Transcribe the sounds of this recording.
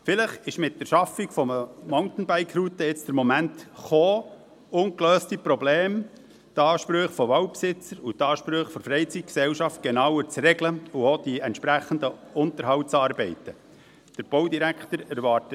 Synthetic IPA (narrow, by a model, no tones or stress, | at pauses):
fɪləχɪʃmɪt̚dəɾʃɑfiɡfɔməmoʊnt̪n̩bæɪkʰɾut̪əɪt͡sd̥əɾmɔmæntχoː | ʊŋkløːstipɾɔbleːm | tɑːʃpɾøχfɔʋɑwpsɪt͡səɾutɑːʃpɾøːχfɔɾfɾɛɪt͡sit̚ksɛwʃɑft̚ɡ̥ɛnɑwəɾt͡srɛɡləuod̪̥iɛnt̪ʃpɾæχənd̪əʊnt̪əɾɦɑwtt͡sɑːɾbɛɪtə | d̥əɾb̥oʊdiɾækχtəɾæɾʋɑːɾtə